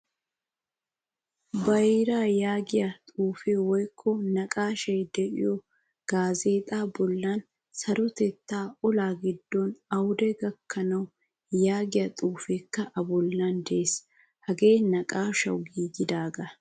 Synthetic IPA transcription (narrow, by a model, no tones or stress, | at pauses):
bɐɾaːjaːɡɪjɐt̪ʼuːfeːwɔjkʰːɔnɐkʼaːʃɐjd̪ɛʔɪ̰jɔ | ɡ̥aːzeːt̪ʼaːbɔlːaːn | sɐɾɔt̪ɛt̪ːaːɔlaːɡɪd̪ːɔnɐwʊd̪ɛɡɐkːɐnɐw | jaːɡɪjɐt̪ʼuːfeːkːɐʔɐbɔlːand̪ɛʔes | hɐɡe̞ːnɐkʼaːʃɐ̰wɡiːɡɪd̪aːɡɐ